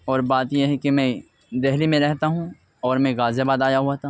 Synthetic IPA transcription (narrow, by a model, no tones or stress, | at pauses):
ɔːɾbaːt̪jeɦɛkemɛ̃ | d̪ɛɦlimẽɾɛɦt̪aɦũ | ɔːɾmɛ̃ɣaːzebaːd̪aːjaɦuat̪ʰa